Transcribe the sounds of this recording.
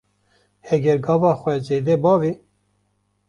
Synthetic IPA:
hɛɡɛɾɡɑːvɑːxʷɛzeːd̪ɛbɑːvi

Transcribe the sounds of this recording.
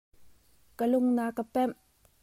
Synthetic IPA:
kəlʊŋnakəpɛm

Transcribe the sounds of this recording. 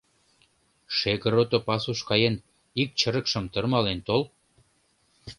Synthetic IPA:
ʃeɣəɾot̪opɑsuʃkɑjen | ik̚t͡ɕəɾə̆kʃə̆mt̪ərmɑlent̪ol

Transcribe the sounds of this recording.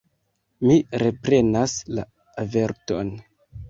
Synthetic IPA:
miɾe̞pɾe̞nasla̰ | ave̞ɾto̞̰n

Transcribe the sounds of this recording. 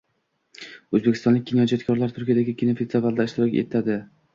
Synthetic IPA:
ɵzbe̞kʲʰɪst̪ɒnlɪk̚ʲɡʰʲinjɒd͡ʒat̪kʰɒɾlaɾt̪ʰʊɾkʲijad̪aɡʲɪkʲinofet̪valˠd̪aɪʃt̪ɪɾɒkʲḛt̪ʰad̪ɪ

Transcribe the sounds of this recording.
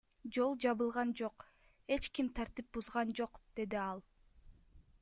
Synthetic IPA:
d͡ʒo̞lˠd͡ʒɑβɯlˠʁɑnd͡ʒo̞q | e̞t͡ʃkimt̪ʰɑɾt̪ip̚buzʁɑnd͡ʒo̞qd̪̥e̞d̪iɑlˠ

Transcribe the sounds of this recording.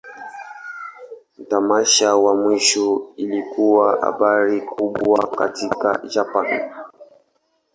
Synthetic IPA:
m̩tamaʃawamwiʃɔilikuwaha̰ɓaɾikuɓwaka̰tika̰d͡ʒapan

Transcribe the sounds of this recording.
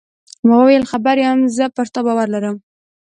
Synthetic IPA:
məɣwəwajəlxabaɾjamzəpəɾt̪abɑwaɾlaɾəm

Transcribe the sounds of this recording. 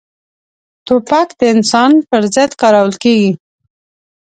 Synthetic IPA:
t̪opakd̪əɪnsɑnpəɾzəd̪kɑɾawəlkeɡi

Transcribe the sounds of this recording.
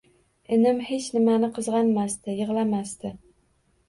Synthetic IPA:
ɪnɪmhet͡ʃnɪmanɪqʰɨzʁɑnmast̪ɪjɨʁlˠamast̪ɪ

